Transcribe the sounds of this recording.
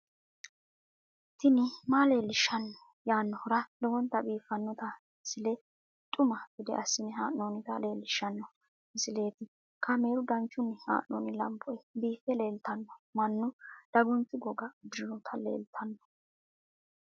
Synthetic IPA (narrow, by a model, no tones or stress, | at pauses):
t̪ːɪnɪmale̞ːlːɪʃɐnːɔ | jaːnːɔhɔɾɐlɔwɔnt̪ɐbiːfɐnːɔt̪ɐ | sɪlɛ | t̪ʼʊmɐb̥ɪd̪ɛ̰ʔɐsːɪnɪɦaːnːoːnɪt̪ɐle̞ːlːɪʃːɐnːɔ | sɪle̞ːt̪ɪ | kʰɐme̞ːɾʊd̪ɐnt͡ʃːʊnːɪha̰ːʔnːo̰ːnɪlɐ̰mbɔɛbiːfɛle̞ːlt̪ɐnːɔmɐnːʊd̪̥ɐɡʊnt͡sːɪɡɔɡɐd̪ɪɾɪnɔt̪ʰɐlḛːlt̪ʰɐnːɔ̥